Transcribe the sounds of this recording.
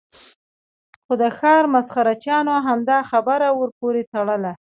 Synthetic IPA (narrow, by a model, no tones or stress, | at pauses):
xod̪əxɑɾmasxaɾat͡ʃjɑnoɦamd̪ɑxabəɾawəɾpoɾet̪aɽəla